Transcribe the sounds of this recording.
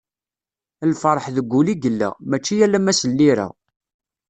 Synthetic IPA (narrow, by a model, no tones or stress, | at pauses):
əlfəɾˤəħðəɡʷːuliɡəlːæ̰mæt͡ʃːijælːæmæsəlːiɾæ̰